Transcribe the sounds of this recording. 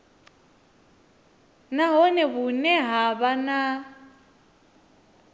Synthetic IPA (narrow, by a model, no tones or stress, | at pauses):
naɦɔnɛβunɛɦaβana